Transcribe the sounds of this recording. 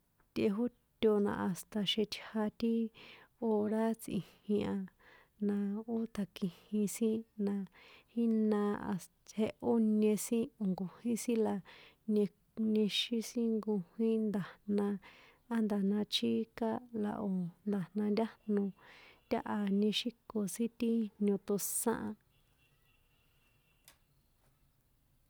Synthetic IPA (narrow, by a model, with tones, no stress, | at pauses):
t̪ʲʔe˧ɦo˦ | t̪ʲo˧nã̰˧a˨st̪a˧ʃe˧t̪ʲʰha˧t̪i˦o˧ɾa˦t͡sʔḭ̃˨hĩ˧ã˧ | nã˧o˦t̪ʰa˨kĩ˧hĩ˧sĩ˦nã˧hi˦nã˧a̰˨s | he˧ʔo˦nẽ˧sĩ˦o˨ŋɡo˨hĩ˦sĩ˦la˨ | nẽ˧ | nẽ˧ʃi˦sĩ˦ŋɡu˧hĩ˦nd̪a˨nã˧ | a˦nd̪a˨nã˧t͡ʃi˦ka˦la̰˨ʔo˨nd̪a˨nã˧nd̪ʲa˦nũ˧t̪ʲa˦ʔa˧nẽ˧ʃi˦ko˧sĩ˦t̪i˦nõ˧t̪o˧sã̰˦ʔã˧